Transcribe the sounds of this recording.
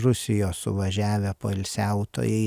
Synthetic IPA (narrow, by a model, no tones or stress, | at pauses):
ɾʊsʲɪjoːsʊʋɐʒʲæːʋʲɛpoːɪlʲsʲæʊt̪o̰ːjɛɪ